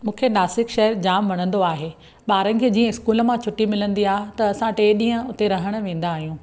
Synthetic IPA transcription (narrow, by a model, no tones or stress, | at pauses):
mũːkʰenaːsɪkʃɐɦəɾd͡ʑaːmʋɐɽ̃ə̃nd̪oaːɦeː | ɓaːɾənɪ̆kʰeːd͡ʑiːə̃ɪskuːlə̆mãt͡ɕʰʊʈːimɪlə̃nd̪iaːɦet̪ɐɐsãʈeːɗĩːɦə̃ʊt̪eɾɐɦəɽ̃ʊ̆ʋẽːn̆d̪aːɦijũː